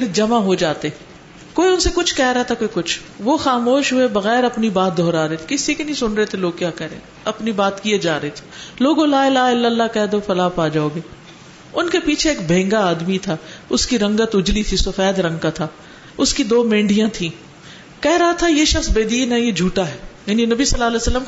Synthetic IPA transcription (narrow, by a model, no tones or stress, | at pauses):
ɾd͡ʒɐmaɦod͡ʒaːt̪e | koːiʊnsekʊt͡ʃʰkɛɦɾɐɦat̪ʰakoːikʊt͡ʃʰ | ʋoxaːmoːʃɦuebɐɣɛːɾɐpnibaːt̪̚d̪ʱɔːɾaːɾɦet̪ʰe̥kɪsikinɐĩsʊnɾəet̪ʰeloːɡ̚kjaːkɛɾḛ̃ː | ɐpnibaːt̪kied͡ʒaːɾɐɦet̪ʰe̥loːɡolaːɪlaːɦɪlːəlːakɛɦd̪ofɐlaːpaːd͡ʒaːoːɡeː | ʊnkepiːt͡ʃʰeeːk̚bʱẽːŋɡaaːd̪mit̪ʰaːʊskiɾɐ̃ŋɡət̪ʊd͡ʒlit̪ʰisofɛːd̪ɾɐ̃ŋɡkat̪ʰaː | ʊskid̪oːmẽːɳɖijãt̪ʰĩː | kɛɦɾɐɦat̪ʰajeʃɐxsbeːd̪iːnɦɛjed͡ʒʱuːʈaɦɛːjaːninɐbisɐlːaːlɛːsɐlːəm